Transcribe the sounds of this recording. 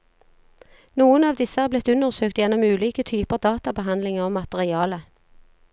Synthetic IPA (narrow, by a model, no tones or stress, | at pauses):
nuːənɑːʋd̪ɪsəhæːʁblɪt̪ʉnəʁsøːkt̪jɛnɔmʉːliːkət̪ʰyːpəʁd̪ɑːt̪ɑbəɦɑnd̪lɪŋəʁɔmɑt̪əʁɪɑːlə